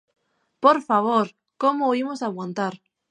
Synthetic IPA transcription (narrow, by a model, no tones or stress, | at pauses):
poɾfaβ̞oɾ | komoimosaɣwant̪aɾ